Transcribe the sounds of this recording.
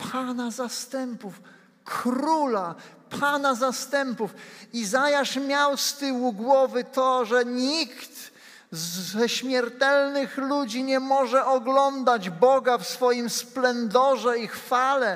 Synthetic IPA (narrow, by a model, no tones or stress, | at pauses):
pʰanazast̪ɛmpuf | kɾulapʰanazast̪ɛmpufizajaʂmʲjawst̪ɘwuɡwɔvɘt̪ɔʐɛɲikt̪ | zɛɕmʲjɛɾt̪ɛlnɘxlud͡ʑiɲɛmɔʐɛʔɔɡlɔnd̪ad͡ʑbɔɡafsfɔjimsplɛnd̪ɔʐɛixfalɛ